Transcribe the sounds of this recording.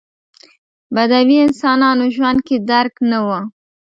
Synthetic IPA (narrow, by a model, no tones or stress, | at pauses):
bad̪awiɪnsɑnɑnoʒwand̪̚ked̪aɾknawa